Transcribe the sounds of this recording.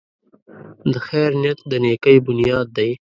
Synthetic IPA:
d̪əxɛɾnjɐt̪d̪əneːkəjbʊnjɑːd̪̚ːaj

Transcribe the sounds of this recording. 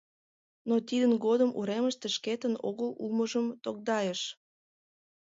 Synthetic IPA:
not̪id̪ənɡod̪əmṵɾeməʃt̪eʃket̪əno̰ɣəluməʒəmt̪ok̚d̪ɑjeʃ

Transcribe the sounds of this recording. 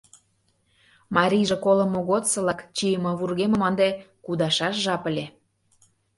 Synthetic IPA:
mɑɾʲiʒĕkolə̆mːoɣot̪sɤ̆lɑkt͡ɕijəmɑβurɣemə̆mɑnd̪ekud̪ɑʃɑʃʒɑpəlʲe

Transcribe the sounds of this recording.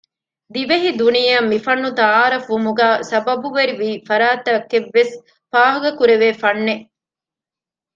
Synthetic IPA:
d̪iʋeɦid̪unijɐmːifɐnːut̪aaːɾɐfumuɡæːsɐbɐbuʋɐɾiʋiːfɐɾaːt̪ɐɐkːeʋːes | faːɦɐɡɐkuɾeʋeːfɐnːe

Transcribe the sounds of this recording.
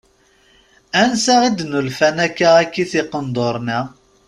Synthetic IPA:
ænsaʁid̪nulfænækːaækːiθɪqːənd̪ˤoɾˤnæ

